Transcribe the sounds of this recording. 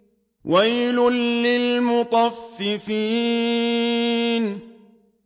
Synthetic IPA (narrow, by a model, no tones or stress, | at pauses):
wʔajlʊnːɪlmʊt̪ˤɑfːɪfiː | n